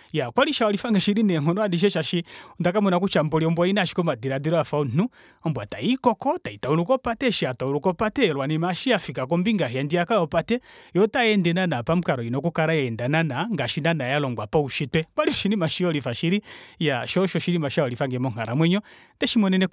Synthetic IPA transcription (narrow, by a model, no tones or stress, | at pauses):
jakwaliʃawalifaŋɡɛʃiɾinɛŋ̥ɔnɔandiʃ̬ɛʃaʃindakamɔnak̬ut͡ʃambɔliɔmbwainaʃi̥kɔmadiɾadiɾɔafaun̩n̥u | ɔmbwataikɔkɔtaitauɾukɔpatɛʃiatauɾukɔpatɛlwanimaʃiafikakɔmbiŋɡaɦiandiakajɔpatɛjɔtajɛndɛnanapam̩kaɾɔinɔkukaɾajaɛndananaŋɡaʃinanajalɔŋɡwapauʃitwɛkwaliɔʃinimaʃiɔlifaʃiɾijaʃɔʃɔʃiɾimaʃaɔlifaŋɡɛmɔŋ̥aɾamwɛɲɔ | ndɛʃimɔnɛnɛ